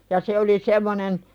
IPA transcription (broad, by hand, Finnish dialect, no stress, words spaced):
jɑ se oli semːonen